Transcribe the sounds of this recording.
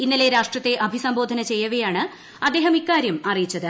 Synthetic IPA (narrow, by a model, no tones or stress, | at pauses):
inːile̞ɾaːʂʈrɐt̪ːe̞ʔɐbʱisɐmboːd̪ʱɐnɐt͡ɕe̞jːɐʋɐjaːɳɨ | ɐd̪ːe̞ːɦɐmikːaːɾjɐmɐrijit͡ɕːɐðɨ